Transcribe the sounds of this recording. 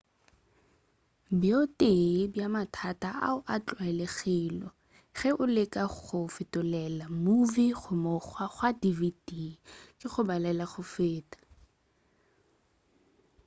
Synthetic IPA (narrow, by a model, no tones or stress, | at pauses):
bjotʼebjamatʰatʼaʔa̰ʊʔat͡ɬʼwɛlɛɣɪːlɔ | ɣɛʔʊlɪkaʊfɪtʼʊlɛlamuviχʊmʊχwaχwadividikʼɪχʊbalɛlaχʊfeːtḁ